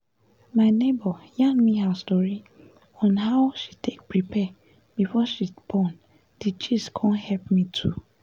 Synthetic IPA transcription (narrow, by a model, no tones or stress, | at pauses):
maɪnebɔjãnmiɦəstɔɹi | ɔ̃nɦaʊʃitʰek̚pɹipʰɛ | b̥ifɔʃib̥ɔn | d̥it͡ʃiskʰɔ̃nhɛlpmitʰu